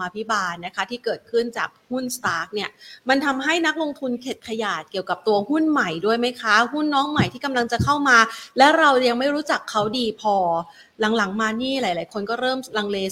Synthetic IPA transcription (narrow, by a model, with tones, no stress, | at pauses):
aː˧pʰi˦˥baː˧t̪na˦˥kʰa˦˥t̪ʰiː˥˩kɤː˨˩t̪̚kʰɯ˥˩nt͡ɕa̰ː˨˩k̚hu˥˩nst̪aː˦˥k̚ni˥˩ɐma˧nt̪ʰa˧mɦa˥˩jna˦˥k̚lo˧ŋt̪ʰu˧nkʰe˨˩t̪̚kʰa˧jaː˨˩t̪̚ki˨˩əwka˨˩p̚t̪u˧ɐhu˥˩nma˨˩jdu˥˩əjma˦˥jkʰa˦˥hu˥˩nːɔː˦˥ŋma˨˩jt̪ʰiː˥˩ka˧mla˧ŋt͡ɕa˨˩kʰa˥˩wmaː˧lɛː˦˥wɾa˧wja˧ŋma˥˩jɾuː˦˥t͡ɕa˨˩kʰːa˦˥wdiː˧pʰɔː˧ | la˨˩˦ŋla˩˦ŋmaː˧niː˥˩laː˩˦jlaː˩˦jkʰo˧nkɔː˥˩ɾɤː˥˩mla˧ŋleː˧